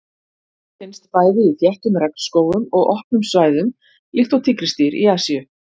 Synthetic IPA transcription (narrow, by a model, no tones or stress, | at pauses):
fɪnst̪faːjðɪiθjɛht̪ʏmɾɛknskoːwʏmɔɣɔhpnʏmsvaːjðʏm | lɪxt̪awt̪ʰɪkɾɪst̪iɾḭaːsiʏ